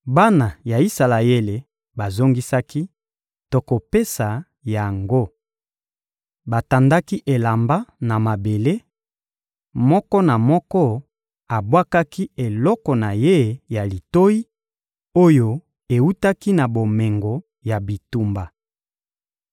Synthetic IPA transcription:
ba˦na˨ja˨i˦sa˨la˨e˦le˨ | ba˨zo˦ŋɡi˦sa˦ki˦ | to˦ko˨pe˦sa˨ | ja˨ŋɡo˦ | ba˨ta˨nda˦ki˦ʔe˨la˨mba˦na˨ma˨be˨le˦ | mɔ˦kɔ˦na˨mɔ˦kɔ˦ | a˨bwa˦ka˦ki˦e˨lɔ˦kɔ˨na˨je˦ja˨li˨to˦ji˦ | o˦jo˦ | e˨wu˦ta˦ki˦na˨bo˨me˨ŋɡo˨ | ja˨bi˨tu˦mba˨

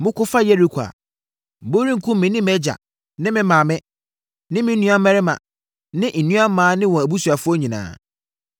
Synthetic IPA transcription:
mʊ̃˦kʊ˦fa˦jɛ˦ɾi˦kʷʰa̰˨ | m̩˨bo˦ɾĩ˦ŋ̩˨kʰʊ̃˦m˦mɪ̃˨nɪ̃˦m˦ɛ˦d͡ʑa̰˨ | nɪ̃˦mɪ̃˦mã˨mɪ̃˦ | nɪ̃˦mɪ̃˦nũ˦a˦mɛ˦ɾɪ˦mã̰˨ | nɪ̃˦ʔn̩˨nũ˦a˦mãː˨˦nɪ̃˦wɔ̃˨æ˨bu˦su˨a˨fʊ˦ɔ˦ɲĩ˨nã̰ː˨

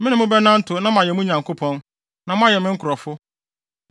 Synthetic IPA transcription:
mɪ̃˦nʊ̃˨mʊ̃˦bɛ˦nã˦n̩˦tʰʊ˨nã˦m˨ã˨jɛ˨mũ˦ɲã˨ŋkʰo˦pʰɔ̃˦n | nã˨mʊ̃˦a˦jɛ˨mɪ̃˦ŋ̩˦kʰʊ˨ɾɔ˨fʊ˦

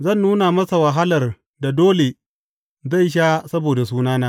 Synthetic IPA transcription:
zɐ˦˨nːuː˦na˨mɐ˦sa˨wɐ˨ɦa˦lɐ˨r | da˨doː˦le˨ | za˦˨jʃ̬a˦sɐ˦boː˨da˨s̬uː˦naː˦naː˦

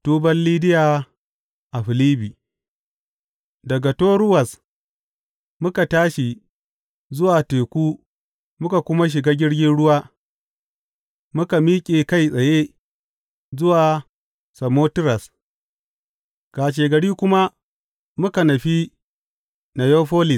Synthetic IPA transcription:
tuː˦bɐ˦nliː˦dɪ˦jaː˨ | ʔa˨ɸɪ˨liː˦biː˨ | dɐ˨ɡa˨toː˦ɾʊ˦wɐ˨s | mʊ˦ka˨taː˦ʃi˨ | zʊ˦waː˨teː˨kʷuː˦ | mʊ˦ka˨kʷʊ˦ma˦ʃ̬ɪ˨ɡaː˦ɡʲɪ˦ɽɡʲɪ˦nɽʊ˦waː˦ | mʊ˦ka˨miː˦kʲʼeː˨ka˦˨jsʼɐ˨je˦ | zʊ˦waː˨ | sɐ˨moː˦tɪ˦ɾɐ˨s | kaː˨ʃ̬eː˨ɡɐ˨ɽiː˦kʷʊ˦ma˦ | mʊ˦ka˨nɐ˨ɸi˦ | na˨jo˦ɸoː˦lɪ˨s

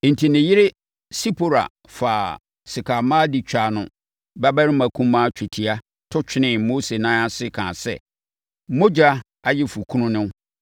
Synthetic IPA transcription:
n̩˨tʰi˨nɪ̃˨jɪ˦ɾɪ˦ | si˦pʰo˨ɾa̰˨ | fa˨ | sɪ˨kʰa˨mãː˦di˨t͡ɕᶣa˨nʊ̃˨ | ba˦ba˦ɾɪ̃˦mã˨kʰũ˦mã˦t͡ɕᶣʰɪ˨tʰi˨a˦ | tʰʊ˦t͡ɕʰᶣɪ˦nɪ̃˨mo˦se˨nã˦a˦sɪ˦kʰã̰ː˨sɛ̰˦˨ | mo˦d͡ʑa˦ | a˨jɛ˦fu˨kʰũ˦nʊ̃˦nʊ̃˦n˦

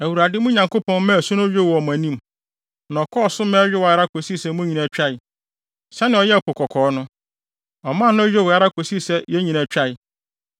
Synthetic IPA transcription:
æ˨wu˨ɾa˨dɪ˦mũ˦ɲã˨ŋko˦pɔ̃˦n˦mɛ̃˦˨sũ˦ñ˦o˦ɥᶣe˦wɔ˨m˨æ̃˨nĩ˦m˨ | nã˨ɔ˨kʰɔ˦˨sʊ˦mɛ̃˦ɥᶣɪ˦wɔ˨a˦ɾa˦ko˨si˦˨sɛ˦mũ˦ɲĩ˨næ˨t͡ɕᶣa˦ɪ˨ | sɛ˦nɪ̃˨ɔ˨jɛ˦˨kʊ˨kʰɔ˨kʰɔː˨˦nʊ̃˦ | ɔ˨mã˦˨nʊ̃˦o˦jᶣe˦˨wɔ˨a˦ɾa˦ko˨si˦˨sɛ˦jɛ˦ɲĩ˨næ˨t͡ɕᶣa˦˨ɪ˨

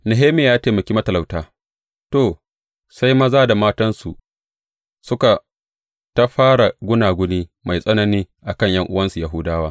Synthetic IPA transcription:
nɪ˨ɦeː˦meː˨jaː˦teː˨mɐ˨kʲiː˦mɐ˦tɐ˨la˨wtaː˦ | toː˨ | sa˦jma˦zaː˦da˨maː˦tɐ˦nsu˨ | sʊ˦ka˨ | tɐ˦ɸaː˦ɽa˨ɡʷʊ˦naː˨ɡʷʊ˦niː˦ma˨jsʼɐ˦nɐ˦niː˦ʔa˨kɐ˦ɲjɐ˦ŋʔʊ˦wɐ˦nsu˨ja˨ɦʊ˦daː˦waː˦

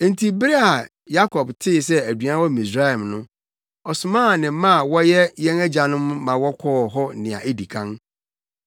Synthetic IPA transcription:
e˨n˦tʰi˨bɪ˦ɾa˨ | ja˦kʰɔ˨btʰɪ˦˨s̬ɛ˦æ˨du˨ã˦wɔ˦˨mĩ˨s̬ɾa˦ɛ˨mnʊ̃˦ | ɔ˨sʊ˨mãː˦˨nɪ̃˨˦mã˦a˨wɔ˦jɛ˦jɛ̃˦næ˦d͡ʑa˨nʊ̃˦mːã˨wɔ˦kʰɔː˦˨ɦɔ˦nɪ̃˨ã̰˨ʔe˦di˨kʰã˦n

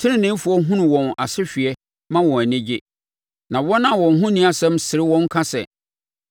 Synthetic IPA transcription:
tʰɪ̃˦ɾɪ̃˦nɪ̃˦m˦fʊ˨ɔ˦ɦʊ̃˦nʊ̃˨wɔ̃˨na˨sɪ˦ɕᶣɥɛ˦ | mã˦wɔ̃˨æ˨nɪ̃˦d͡ʑɪ˦ | nã˨wɔ˦nã˦˨wɔ̃˨n˨ɦʊ̃˦nĩ˦a˨sɛ̃˦msɪ˨ɾɪ˦wɔ̃˦ŋ˦kʰa˦sɛ̰˨

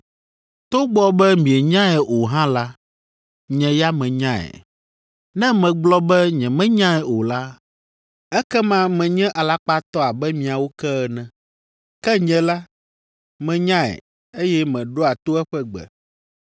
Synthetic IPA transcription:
t̪o˦ɡ͡bɔ˦bɛ˦mĩ˨ɛ˨ɲã˦ɛ˨ʔo˨ɦã˦la˦ | ɲɛ̃˨ja˦mɛ̃˨ɲã˦ɛ̰˨ | nɛ̃˦mɛ̃˨ɡ͡blɔ˦bɛ˦ɲɛ̃˨mɛ̃˦ɲã˦ɛ˨o˨la˦ | ɛ˦kɛ˦mã˦mɛ̃˨ɲɛ̃˦ʔa˨la˦k͡pa˦t̪ɔ˦a˨bɛ˦mĩ˨a˨wo˦kɛ˦ɛ˨nɛ̃˨ | kɛ˦ɲɛ̃˨la˦ | mɛ̃˨ɲã˦ɛ̰˨ | e˦jɛ˦mɛ̃˨ɖo˦a˨t̪o˦ɛ˦ɸɛ˦ɡ͡bɛ̰˨

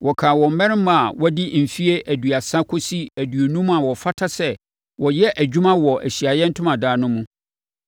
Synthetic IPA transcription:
wʔɔ˨kʰaː˨wɔ̃˨m̩˨mɛ̃˦ɾm̃˨a˨wɔ˦di˦m̩˨fi˦e˦ʔæ˨du˨a˨sa˦kʰʊ˦si˦æ˨dɥo˨nũ˦mũ˦a˨wɔ˨fa˦tʰa˦sɛ˦ | wʔɔ˨jɛ˦ʔæ˨d͡ʑᶣu˦mã˦wɔ˨ʔæ̰˨ɕi˨a˨jɛ̃˦n̩˦tʰʊ̃˦mã˨daː˦nʊ̃˦mũ˦

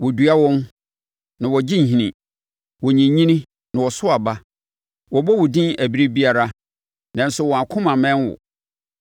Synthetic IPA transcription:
wɔ˨du˨a˦wɔ̃˦n | nã˨wɔ˨d͡ʑɪ̃˦ɲ̩˨ɦĩ˨nĩ˨ | wɔ˨ɲĩ˨˦ɲĩ˦nĩ˦ | nã˨wɔ˨sʊ˦a˨ba˦ | wɔ˨bɔ˦wʊ˨dɪ̃˦næ˨bi˦ɾe˦bi˦a˨ɾa˦ | nã˨n̩˦sʊ˨wɔ˨a˨kʰʊ̃˦mã˨mɛ̃˦nwʊ̰˨

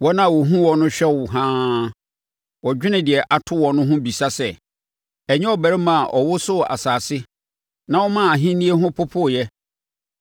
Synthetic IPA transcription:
wɔ˦nã˦˨wo˨ɦũ˦wɔ˨nʊ̃˦ɕᶣɛ˦˨wʊ˨ɦãː˦ | wɔ˨d͡ʑᶣɪ˦nɪ̃˨dɪ˨ɛ˨ʔa˨tʰʊ˦wɔ̃˨nʊ̃˦ɦʊ̃˦bi˨sa˦sɛ˨ | ɛ˨ɲɛ̃˦ɔ˦bæ˨ɾɛ˦mã˨a˨ʔɔ˨wʊ˦sʊ˦˨a̰˨saː˨sɪ˦ | nã˦wɔ˦mã˦˨a˨ɦĩ˦nĩ˦e˦ɦʊ̃˦pʰʊ˦pʰʊ˦˨jɛ˦

